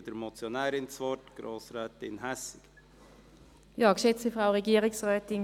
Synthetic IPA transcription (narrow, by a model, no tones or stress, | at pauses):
d̥əɾmɔt͡sjonæːɾɪnt͡sʋɔtɡ̥ɾoːsɾɛːt̪ɪnɦæsɪk | jɑːkʃɛt͡səfʁaʊʁɛɡiːəʁɪksʁœːtɪŋ